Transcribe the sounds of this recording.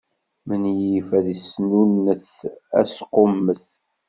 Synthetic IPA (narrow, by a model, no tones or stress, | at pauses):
mənjifæðisnunːəθ | æ̰sqomːəθ